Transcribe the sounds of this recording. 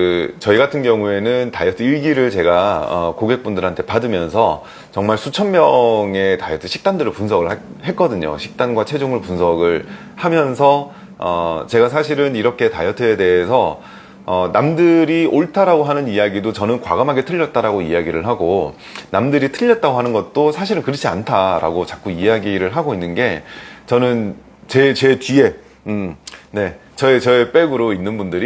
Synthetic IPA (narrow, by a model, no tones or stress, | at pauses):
kɯt͡ɕʌiɡatʰɯnɡjʌŋue̞nɯntajʌtʰɯiɭɡiɾɯɭt͡ɕe̞ɡaʌ̰koɡe̞k̚p͈undɯɾɦantʰe̞padɯmjʌnsʰʌ | t͡ɕʌŋmaɭsʰut͡ɕʰʌnmjʌŋe̞tajʌtʰɯɕʰi̥k̚t͈andɯɾɯɭpunsʰʌɡɯɭhe̞k͈ʌdɯɲo̰ɕʰi̥k̚t͈anɡwat͡ɕʰe̞d͡ʑoŋɯɭpunsʰʌɡɯɭ | hamjʌnsʰʌ | ʌ̰t͡ɕe̞ɡas̬ʰaɕ̬ʰiɾɯniɾʌkʰe̞ta̰jʌtʰɯe̞de̞ɦesʰʌː | namdɯɾiʔoɭtʰaɾaɡoɦanɯnijaɡidot͡ɕʌnɯnkwa̰ɡamɦaɡe̞tʰɯʎːʌt̚t͈aɾaɡoijaɡiɾɯɭɦaɡo | namdɯɾitʰɯʎːʌt̚t͈aɡoɦanɯnɡʌt̚t͈osʰaɕʰiɾɯnkɯɾɯt͡ɕʰia̰ntʰaɾʔa̰ɡot͡ɕak͈uijaɡiɾɯɭɦaɡoinːɯnɡe̞t͡ɕʌnɯn | t͡ɕe̞t͡ɕe̞tie̞ | ne̞ | t͡ɕʌet͡ɕʌep͈e̞ɡɯɾoinːɯnbundɯɾi